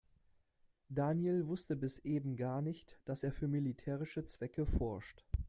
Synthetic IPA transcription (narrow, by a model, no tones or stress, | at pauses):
d̥aːnjelvʊstəbɪsʔeːbm̩ɡaːɐnɪçtd̥aseːɐfyːɐmilitʰɛːʁɪʃət͡sv̥ɛkəfɔɐʃt